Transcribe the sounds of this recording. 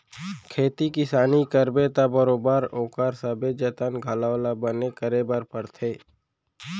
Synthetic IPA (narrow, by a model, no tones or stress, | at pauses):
kʰeːt̪ikɪsaːnikəɾbet̪abəɾoːbaːɾoːkaːɾsəbed͡ʒət̪ənɡʱəlaːlabənekəɾebaɾpəɾt̪ʰeː